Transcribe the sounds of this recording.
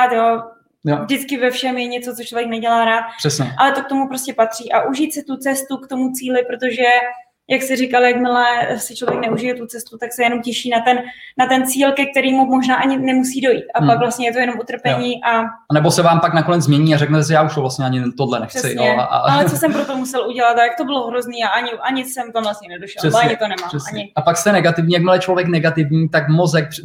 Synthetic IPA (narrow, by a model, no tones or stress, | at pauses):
at̪joː | jovdɪt͡skɪvɛfʃɛmjɛɲɛt͡so̞t͡sot͡ʃlovjɛknɛɟɛlaːɾaːt̪̚r̥ɛsɲɛʔalɛt̪o̞kt̪omupɾo̞scɛpat̪r̝̥iːʔaʔuʒiːt̪sɪt̪ut͡sɛst̪ukt̪o̞mut͡siːlɪpɾo̞t̪o̞ʒɛ | jaksɛɾɪkaljakmɪlɛsɪt͡ʃlovjɛknɛuʒɪjɛt̪ut͡sɛst̪ut̪aksɛjɛnomcɛʃiːnat̪ɛnnat̪ɛnt͡siːlkɛk̚t̪ɛɾiːmumo̞ʒnaːʔaɲɪnɛmusiːdo̞jḭːt̪ʔapakvlast̪ɲɛjɛt̪o̞jɛno̞mut̪r̩pɛɲiːʔaanɛbosɛvaːmpaknakonɛd͡zzmɲɛɲiːaɾɛknɛt̪ɛs̬ɪjaːuʃt̪ovlast̪ɲɛaɲɪt̪odlɛnɛxt͡sɪoaa̰allɛt͡sosɛmpɾot̪o̞musɛlʔuɟɛlat̪ajak̚t̪o̞bɪloɦɾozniːaʔaɲɪʔaɲɪsɛmt̪omvlasɲɛnɛdoʃɛlɛsʔaɲɪt̪onɛmaːmɛsaɲɪapakst̪ɛnɛɡat̪ɪvɲiːjak̚mɪlɛt͡ʃlovjɛknɛɡat̪ɪvɲiːt̪akmozɛk̚